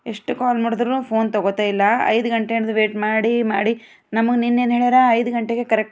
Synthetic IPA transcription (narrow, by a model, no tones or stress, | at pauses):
e̞ʂʈukaːlmaːɽod̪ɾunuːpʰo̞ːnt̪ɔɡot̪aːjilːɐɐ̰jd̪uɡɐɳʈenɐd̪uʋeːʈmaːɽimaːɽi | nɐmɐɡeninːeːnɦeːɭɾaɐjd̪uɡɐɳʈeɡe̞kɐɾek̚